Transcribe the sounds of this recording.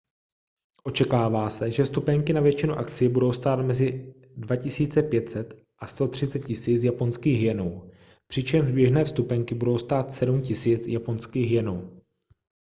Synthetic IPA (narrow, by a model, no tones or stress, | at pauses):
ʔo̞t͡ʃɛkaːvaːsɛʒɛfst̪upɛŋkɪnavjɛt͡ʃɪnuʔa̰kt͡sɪjɛbudo̞wst̪aːt̪mɛzɪ | dvacɪsiːt͡sɛpjɛt̪sɛt̪ | ʔast̪o̞t̪r̥ɪt͡sɛt̪̚cɪsiːt͡sjapo̞nskiːɣɦjɛnow | pr̝̥ɪt͡ʃɛmʒbjɛʒnɛːfst̪upɛŋkɪbudo̞wst̪aːt̪sɛdumcɪsiːt͡sjapo̞nskiːɣɦjɛnow